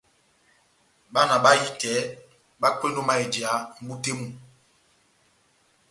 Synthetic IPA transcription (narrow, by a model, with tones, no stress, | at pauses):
ɓa˦na˨ɓa˦ji˦kɛ˨˦ | ɓa˦kwe˦ndo˦ma˦e˨di˨a˨˦m̩˦bu˦te˦mu˦˨